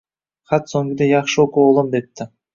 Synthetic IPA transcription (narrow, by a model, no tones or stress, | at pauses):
χɑt̪soŋɡɪd̪ejɑχʃokuolˠomd̪ep̚t̪ːɪ